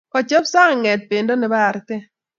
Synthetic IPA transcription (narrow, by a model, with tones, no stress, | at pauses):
kɔ˨t͡ʃɔ˦psa˦ŋ˨ŋɛ˨t̪̚pe˨ndo˦nɪ˨ba˦˨ɾt̪ɪ˦